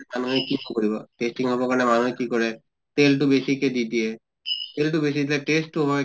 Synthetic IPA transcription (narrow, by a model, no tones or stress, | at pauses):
manuɦɛkiɔkoɹibɔtestiŋɦɔbɔkanɛmanuekikɔɹɛ | telt̬ʊbesikɛdidiɛ | teltʊbes̬idilɛtestːuɦɔj